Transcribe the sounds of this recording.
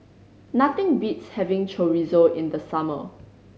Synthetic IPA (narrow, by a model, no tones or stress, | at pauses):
nat̪ɪ̃ŋbitshɛvɪ̃ŋt͡ʃʰoɹizoɪ̃nd̪əsamə̰